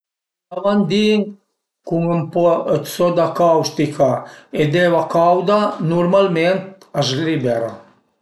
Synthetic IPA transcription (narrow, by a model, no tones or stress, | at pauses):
amand̪iŋ | kuŋəmpɔət̪sɔd̪akawʃt̪ikʰaed̪evakawd̪anuɾmalment̪̚ | azlibɛɾa